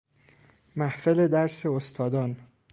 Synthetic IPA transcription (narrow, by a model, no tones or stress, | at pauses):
mæhfele̞d̪æɾse̞ost̪ʰɒːd̪ɒːn